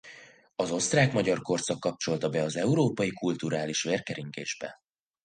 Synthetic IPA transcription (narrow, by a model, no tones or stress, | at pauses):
ɒzo̞st̪raːkmɒɟɒrko̞rt̪sɒkːɒp̚t͡ʃo̞lt̪ɒbɛɒzɛuɾoːpɒjikult̪uɾaːliʃʋeːrkɛɾiŋkḛːʒbɛ̰